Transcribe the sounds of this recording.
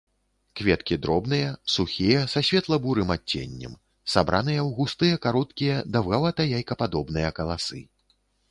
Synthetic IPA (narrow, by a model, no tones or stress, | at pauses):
kvʲɛt̪kʲid̪ɾɔbnɨjɐsuxʲijɛsɐɕʲvʲɛt̪lˠɐbuɾɨmat͡sʲːḛnʲːɛ̰m | sabɾʔa̰nɨjɐwɣust̪ɨjɐkaɾɔt̪kʲijɐd̪ɐwɣavat̪ɐjajkɐpad̪ɔbn̪ɨjɐkɐlˠasɨ̰